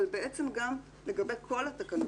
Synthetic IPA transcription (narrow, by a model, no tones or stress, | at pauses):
lbeʔet͡se̞mɡam | le̞ɡɐbe̞jkʰo̞lhat̪akan